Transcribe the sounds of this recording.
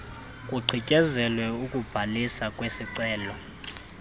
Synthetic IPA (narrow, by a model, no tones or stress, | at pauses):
kʼuǀʱʰicʼɛzɛlwɛukʼub̥ʱalisakʼwesiǀɛːlɔ